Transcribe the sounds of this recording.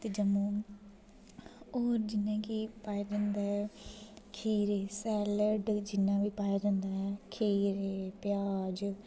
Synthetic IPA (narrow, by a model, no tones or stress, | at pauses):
t̪eːd͡ʒəmõː | oːɾd͡ʒɪnːãːkipaːjaːd͡ʒãːnd̪aːɦɛːkʰiːɾeːsɛːləɖd͡ʒɪnːãːʋiːpaːjaːd͡ʒãːnd̪aːɦɛːkʰiːɾepɪjaːd͡ʒ